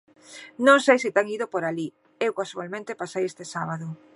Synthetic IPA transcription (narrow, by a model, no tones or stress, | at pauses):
nõŋsejsɪt̪aŋiðopoɾali | ewkasalmẽnt̪epasejest̪esaβ̞aðo